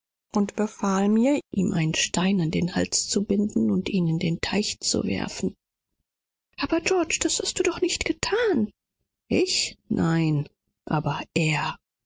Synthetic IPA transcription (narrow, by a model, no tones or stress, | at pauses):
ʔʊntb̥əfaːlmiːɐʔiːmʔa̰ɪnənʃtaɪnandeːnhalt͡st͡subɪndn̩ʊntʔiːnɪndeːntʰaɪçt͡sṵvɛ̰ɐfn̩ | ʔaːbɐd͡ʒɔɐt͡ʃd̥ashast̚d̥uːdɔχnɪçtɡ̥ətʰaːn | ʔɪçnʔaɪn | ʔaːbɐʔeːɐ